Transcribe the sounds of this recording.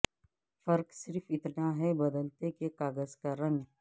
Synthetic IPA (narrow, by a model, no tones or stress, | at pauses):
fɐɾksɪɾfɪt̪naɦɛbɐd̪əlt̪ekekaːɡəzkaɾə̃ŋɡ